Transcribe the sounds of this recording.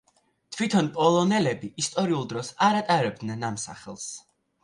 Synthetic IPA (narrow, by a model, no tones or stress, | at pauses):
t̪ʰvwit̪ʰɔnpʼɔlˠɔnɛlɛbiːst̪ʼɔɾiulˠd̪ɾɔsaɾat̪ʼaɾɛb̚d̪nɛnamsa̰χɛlˠs